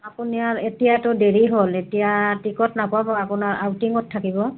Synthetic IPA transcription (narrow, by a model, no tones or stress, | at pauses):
apuniaɹetijatʊdeɹiɦoletijatikɔtnapʊabɔapʊnaɹʔa̰wtiŋɔtʰːakibɔ